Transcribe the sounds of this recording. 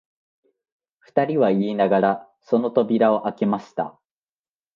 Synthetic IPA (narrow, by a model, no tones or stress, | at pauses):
ɸɯ̟̥t̪aɾʲiβaiːnaɡaɾa | so̞no̞t̪o̞bʲiɾao̞ʔake̞maɕi̥t̪a̰